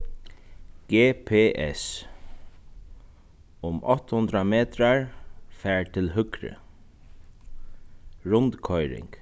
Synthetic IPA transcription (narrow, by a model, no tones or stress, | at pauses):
ɡ̥eːpʰeːʔɛs | ʊmʔɔht̪hʊnt̪ɾameːt̪ɾaɹfɛːɹt̪ʰɪlɦʏkɾə̰ | ɹʊnt̪kʰɔjɾɪ̰ŋk